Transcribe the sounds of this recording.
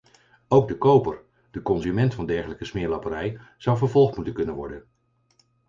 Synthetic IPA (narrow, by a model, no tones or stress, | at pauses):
owɡ̚dəkowpəɹ | d̥əkɔnzymɛntfɑndɛɹχələkəsmɪːɹlɑpəɾɛjz̥ɑwvəɹvɔlˠχtmutənkɵnənʋɔ̰ɹdən